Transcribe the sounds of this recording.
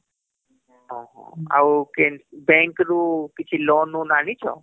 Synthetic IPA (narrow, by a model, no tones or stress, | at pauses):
ɦɔ̃ɦɔ̰̃a̰ukenbɛ̃ŋkɾukɪt͡ʃʰilɔːnũnaːnit͡ʃʰɔ̰